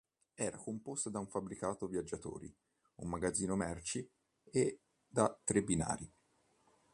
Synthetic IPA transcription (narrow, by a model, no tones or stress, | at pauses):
ɛːɾakompost̪ad̪auɱfabːɾikaːt̪ovjad͡ʒːat̪o̰ːɾḭ | umːaɡad̪zːiːnomɛrt͡ʃi | e | d̪at̪ːɾebːina̰ːɾi